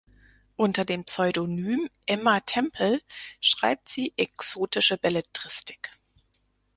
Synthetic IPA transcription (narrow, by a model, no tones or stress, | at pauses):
ʔʊntɐdeːmpsɔʏdonyːmʔɛmatʰɛmpʰl̩ʃʁ̥a̰ɪp̚tz̥iːʔɛksoːtɪʃəbɛlɛtʁ̥ɪstɪ̥k